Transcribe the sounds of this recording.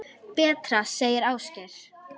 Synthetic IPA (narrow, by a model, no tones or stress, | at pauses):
pɛːt̪ɾaseːjɪɾaːwscɛɾ̥